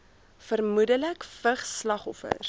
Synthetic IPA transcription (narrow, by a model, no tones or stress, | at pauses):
fərmudələkfəχslɐχɔfə̰r